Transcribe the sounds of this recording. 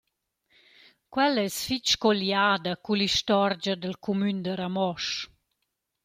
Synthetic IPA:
kwɛlɛsfit͡ʃkɔljaːd̪akuliʃtɔɾd͡ʒad̪əlkʰumynd̪əɾamɔʃ

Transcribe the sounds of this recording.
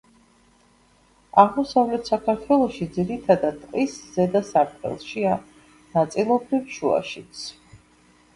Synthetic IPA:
aʁmɔsavlɛt̪ʰsakʰaɾt̪ʰwɛlˠɔʃid̪ziɾit̪ʰad̪ad̪̚ʼqʼisz̥ɛd̪asaɾt̪ʼɛ̰lˠʃia | nat̪sʼilˠɔbɾivʃua̰ʃit̪sʰ

